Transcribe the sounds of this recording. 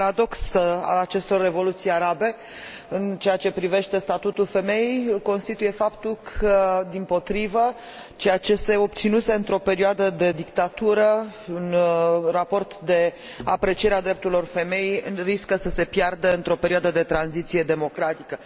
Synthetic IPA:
paɾad̪o̞ksəa̰lat͡ʃe̞st̪o̞rːe̞vo̞lut̪sijaɾabe̞ | ɨnt͡ʃe̞jat͡ʃe̞pɾive̞ʃt̪e̞st̪at̪ut̪ulfe̞me̞jejko̞nst̪it̪uje̞fapt̪ulkʰəd̪impo̞t̪ɾivə | t͡ʃe̞jat͡ʃe̞se̞o̞b̚t̪sinuse̞ɨnt̪ɾo̞pe̞ɾioad̪əd̪e̞d̪ikt̪at̪uɾəunrapo̞rt̪d̪e̞ | a̰pɾe̞t͡ʃije̞ɾead̪ɾe̞p̚t̪uɾilo̞rfe̞me̞jeriskəsəse̞pjard̪əɨnt̪ɾo̞peɾiwad̪əd̪e̞t̪ɾanzit̪sije̞d̪e̞mo̞kɾat̪ikə

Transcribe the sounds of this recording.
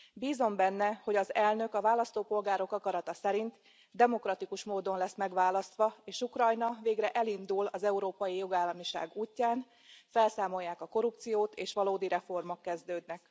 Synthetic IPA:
biːzo̞mbɛnːɛho̞ɟɒzɛlnø̞kɒvaːlɒst̪oːpo̞lɡaːɾo̞kɒkɒɾɒt̪ɒsɛɾint̪ | d̪ɛmo̞krɒt̪ikuʃmoːd̪o̞nlɛsmɛɡʋaːlɒst̪ʋɒeːʃukrɒjnɒveːɡrɛʔɛlind̪ulɒzɛuɾoːpɒjijo̞ɡaːlːɒmiʃa̰ːɡuːcːaːn | fɛlsaːmo̞jːaːkɒko̞ɾup̚t̪sijoːt̪ʰeːʃʋɒloːd̪iɾɛfo̞rmo̞kːɛzd̪øːd̪nɛk

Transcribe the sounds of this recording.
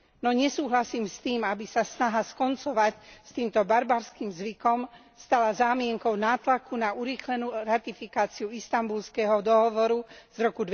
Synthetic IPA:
nɔɲɛsuːɦlasiːmst̪iːmabisasnaɦaskɔnt͡sɔʋacst̪iːmt̪ɔbaɾbaɾskiːmzʋikɔm | st̪alazaːmɪɛŋkɔʊnaːt̪lakunauɾiːxlɛnuːɾat̪ifikaːt͡siuist̪ambulskɛɦɔd̪ɔɦɔʋɔɾuz̥ɾɔkud̪

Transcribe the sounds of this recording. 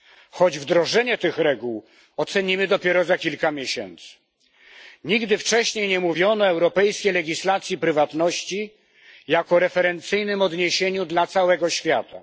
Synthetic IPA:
xɔd͡ʑvd̪ɾɔʐɛɲɛt̪ɘxɾɛɡuw | ɔt̪sɛɲimɘd̪ɔpʲjɛɾɔzakʲilkamʲjeɕɛ̰nt̪sɘ̥ | ɲiɡd̪ɘft͡ʂɛɕɲejɲɛmuvʲjɔnɔɛwɾɔpɛjskʲejlɛɡʲislat̪sʲjipɾɘvat̪nɔɕt͡ɕi | jakɔɾɛfɛɾɛnt̪sɘjnɘmɔd̪ɲeɕeɲud̪lat̪sawɛɡɔɕfʲja̰t̪a̰

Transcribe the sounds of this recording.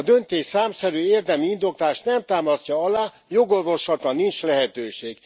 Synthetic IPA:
d̪ønt̪eːʃsaːmsɛɾyːeːrd̪ɛmiind̪o̞kt̪aːʃt̪nɛmt̪aːmɒscɒɒlaː | jo̞ɡo̞rvo̞ʃɒt̪ɒnːint͡ʃlɛɦɛt̪øːʃeːɡ̥

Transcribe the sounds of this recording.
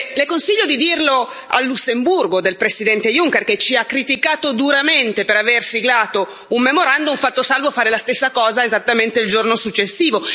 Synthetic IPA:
lekonsiʎːod̪id̪irlo | a̰lːusːemburɡod̪elpɾesid̪ɛnt̪ejuŋk̟erket͡ʃiakːɾit̪ikaːt̪od̪uɾament̪epeɾaversiɡlaːt̪o | umːemoɾand̪uɱfat̪ːosalvofaːɾelast̪esːakɔːzaezat̪ːament̪eild͡ʒornosut͡ʃːesːiːvo

